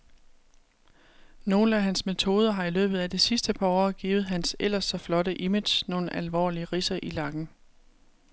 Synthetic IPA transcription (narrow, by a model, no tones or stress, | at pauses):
no̝ːl̩æɦænsme̝t͡sʰo̝ːð̞ˠɐɦɑ̈ilø̰ːb̥ð̩ˠæd̥isisd̥əpʰɑ̈ɒ̰ːɡ̥ḭːʊð̞̩ˠɦænsel̰ɐsːɒ̽flɒ̽ɾəʔimed̥ɕno̝ːn̩ʔælʋɒ̰ːliəʁisɐʔilɑ̈ɡ̥n̩